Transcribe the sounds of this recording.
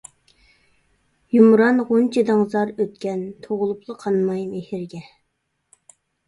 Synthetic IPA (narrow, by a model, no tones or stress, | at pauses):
jumɾɑnʁont͡ʃʰid̪ɑŋzɑɾøt̪̚kʲɛnt̪ʰoʁʊlˠuplˠəqʰɑnmɑjmehɪɾɡʲɛ